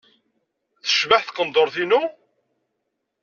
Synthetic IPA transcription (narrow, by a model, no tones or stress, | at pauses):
θə̥ʃvaħθqənd̪ˤoɾθinu